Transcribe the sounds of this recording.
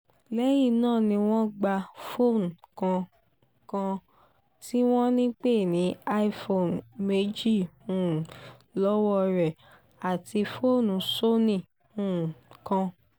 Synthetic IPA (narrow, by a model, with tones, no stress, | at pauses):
lɛ˦ji˦˨nãː˦˨nĩ˧w̃ɔ̃˦ɡ͡ba˧fo˦˨n˨kã˧ | kã˧ | ti˦w̃ɔ̃˦nĩ˦k͡pe˦˨nĩ˨˦a˦i˦fo˦˨nme˦d͡ʒi˦˨hũ˨lɔ˦wɔ˧ɾɛ˨ | a˨ti˧fo˦˨nũ˨˦so˦nĩ˦˨ | hũ˨kã˧